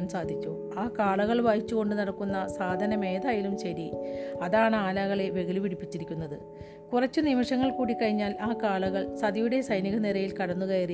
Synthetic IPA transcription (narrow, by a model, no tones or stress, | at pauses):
msaːd̪ʱit͡ɕʲːu | aːkaːɭɐɣɐɭʋɐjit͡ɕːuɣo̞ɳɖɨnɐɽɐkːunːɐsaːd̪ʱɐnɐme̞ːd̪aːjilumɕɐɾiɐðaːɳɨaːlaːɣɐɭe̞ʋe̞ɡiliʋiɽipːit͡ɕːiɾikʲːunːɐðɨ | kurɐt͡ɕːunimiʂɐŋːɐɭkuːɽikːɐɻiɲːaːlaːkaːɭɐɣɐɭsɐd̪ɐjuɽe̞sɐjniɣɐniɾɐjilkɐɽɐnːuɣɐjiri